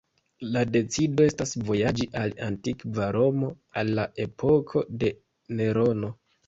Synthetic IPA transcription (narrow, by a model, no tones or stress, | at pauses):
lade̞t͡sido̞e̞stasvo̞jad͡ʒiʔalantikvaɾo̞mo̞ | alːaʔe̞pʰo̞kʰo̞de̞ | ne̞ɾo̞no̞